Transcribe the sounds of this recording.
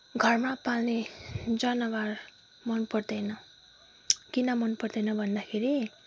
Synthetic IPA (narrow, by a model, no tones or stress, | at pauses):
ɡʱʌrmapalned͡zʌnʌbaɾ | mʌnpʌrd̪ʌjnʌ | kinʌmʌnpʌrd̪ʌjnʌbʱʌnd̪akʰeɾi